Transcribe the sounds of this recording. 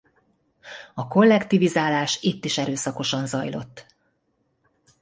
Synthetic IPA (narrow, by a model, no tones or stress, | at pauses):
ɒko̞lːɛkt̪ivizaːlaːʃit̪ːiʃɛɾøːsɒko̞ʃɒnzɒjlo̞̰t̪ː